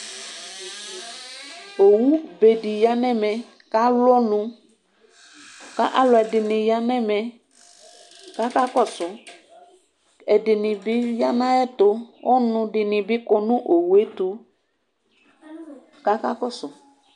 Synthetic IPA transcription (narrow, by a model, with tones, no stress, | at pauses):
o˨wu˦be˨di˨ja˦nɛ˦mɛ˨ | ka˦lɔ˦nũ˨ | ka˦ʔa˦lɔ˨ɛ˨dɪ˨nɪ̃˨ja˦nɛ˦mɛ˨ | ka˦ka˦kɔ˦sʊ˨ | ɛ˨dɪ˨nɪ̃˨bɪ˦ja˦nã˦ɛ˦tʊ˨ɔ˦nʊ̃˨dɪ˨nɪ̃˨bɪ˦kɔ˨nʊ̃˦ʔo˨wu˨e˦t̪u˨ | ka˦ka˦kɔ˦sʊ˨